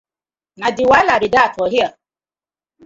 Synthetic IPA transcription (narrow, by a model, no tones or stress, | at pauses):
nadɪwalaɾɪdatɔɦja